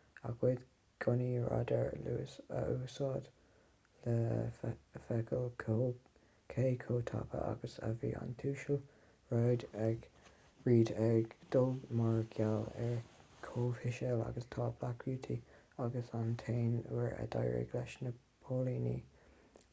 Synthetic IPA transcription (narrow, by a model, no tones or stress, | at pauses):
a̰ɡweːd̪ | ɡ̥ʊniɹa̰d̪əɹluːsoːd̪ | lə | fɛkʰəlkʰo | kʰeːkʰoːt̪ʰa̰pʰə̰ʔa̰ɡəsa̰vḭːʔa̰nt̪ʰuːʃəl | ɹaːd̪ɛɡ | ɹiːd̪ɛɡd̪̥ʊlmaɹɡalɛkʰoːfɪʃɛla̰ɡəst̪ʰɑːplakʰɹuːt̪ʰiaɡəsant̪ʰeːnuɹə̰d̪ajɹɛ̰ɡlɛʃnə | pʰoːliːnḭ